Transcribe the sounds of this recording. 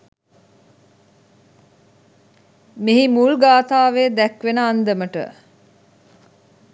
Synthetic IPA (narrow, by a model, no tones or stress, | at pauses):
miɦimulɡaːt̪aːʋeːd̪ækʋenəand̪əməʈə̰